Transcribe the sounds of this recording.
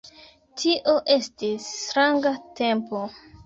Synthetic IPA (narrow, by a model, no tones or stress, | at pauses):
tʰiʔoʔe̞stistɾaŋɡate̞mpo̞